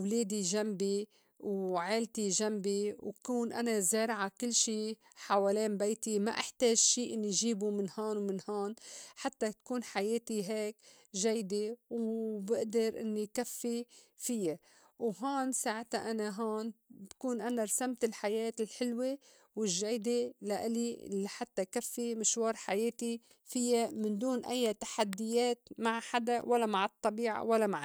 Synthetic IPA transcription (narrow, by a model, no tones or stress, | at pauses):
wleːd̪iʒambi | wʕeːlt̪iʒambiwkuːnʔanazeːɾʕakɪlːʃiː | ħaweːleːmbejt̪ima̰ʔaħt̪eːʒʃiːʔɪnːijʒiːbumɪnhoːnwmɪnhoːnħat̪ːat̪kuːnħajeːt̪iɦeːk | ʒajd̪ewbɪʔd̪ɑɾʔɪ̰nːikafːifɪja | wɦoːnsaːʕɪt̪aʔanaɦoːnbakuːnʔanaɾˤsamt̪ɪlħajeːt̪ɪlħɪlwe | wɪʒːajd̪elaʔɪlḭlaħat̪ːakafːimɪʃwɑːɾˤħajeːt̪i | fɪjːamɪnd̪uːnʔɪ̰jːat̪ḁħad̪ːɪjeːt̪maʕħad̪awʔalːamaʕɨt̪ˤːɑbiːʕa̰walːamaʕ